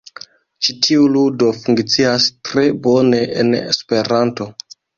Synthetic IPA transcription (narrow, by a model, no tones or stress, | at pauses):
t͡ʃitʰiuludo̞fuŋkt͡siastɾe̞bo̞ne̞ʔḛnḛspe̞ɾanto̞